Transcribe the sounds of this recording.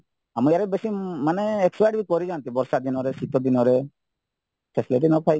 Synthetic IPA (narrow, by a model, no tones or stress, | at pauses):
amujaɾebesimaneːksajɖbikɔɾid͡ʒant̪ibɔɾsad̪inɔɾesit̪ɔd̪inɔɾe | ʈesleʈinɔpʰaj